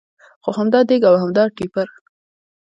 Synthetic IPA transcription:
xoɦamd̪ɑd̪eɡawhamd̪ɑʈipaɾ

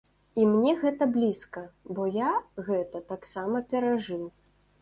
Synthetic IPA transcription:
imnʲɛɣɛt̪ɐblʲiskɐbɔjaɣɛt̪ɐt̪aksamɐpʲɛɾaʐɨw

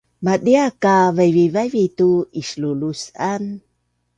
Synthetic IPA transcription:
madiakavajvivajvit̪uislulusan

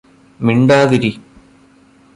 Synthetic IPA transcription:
miɳɖaːðiɾi

